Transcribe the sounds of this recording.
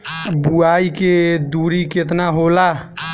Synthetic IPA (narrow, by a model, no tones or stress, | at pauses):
buaiked̪uɾiket̪naɦola